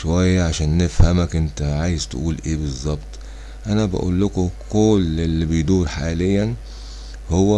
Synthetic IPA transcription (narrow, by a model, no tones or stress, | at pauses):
ʃowæjːæʕaʃæːnːefhæmækʔɪnt̪æʕaːjezt̪ʔuːlʔeːbezˤːɑbt̪ˤ | ʔænæbæ̰ʔṵːlːʊkʊkolelːibejd̪uːɾħaːlejːæn | howːæ